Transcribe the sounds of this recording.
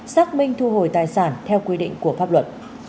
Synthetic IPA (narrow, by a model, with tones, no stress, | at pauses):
saː˦˥k̚mï˧ŋ̟t̪ʰu˧ɦo˧˩jt̪aː˨˩jsaː˧˩nt̪ʰɛ˧wkwi˧ɗḭ˧˨ŋ̟ku˧˩əfaː˦˥p̚lwə˨˩t̚